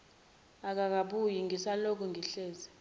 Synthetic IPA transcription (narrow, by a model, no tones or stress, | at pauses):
ak̬ʼak̬aɓujiŋɡʱisalok̬ʼɔŋɡʱiɬeːzi